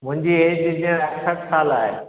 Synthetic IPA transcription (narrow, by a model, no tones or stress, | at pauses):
mʊ̃ɦɪ̃ɲd͡ʑieːd͡ʑd͡ʑĩːə̃ɾɐksʰɐksaːlaːɦḛː